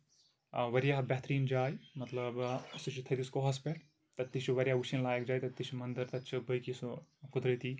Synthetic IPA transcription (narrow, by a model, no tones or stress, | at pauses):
ʋɐɾjabʲɛɦt̪ɾiːnd͡ʒaːjmɐt̪lɐbsut͡ʃʰit̪ʰɐt̪iskoɦɐspeʈ | t̪ɐt̪ːiʃuʋɐɾjaʋuʃinlaːjekd͡ʒaːjt̪ɐt̪ːit͡ʃʰumɐnd̪ɐɾt̪ɐtːt͡ʃʰɐbɐjkisukud̪ɾɐt̪i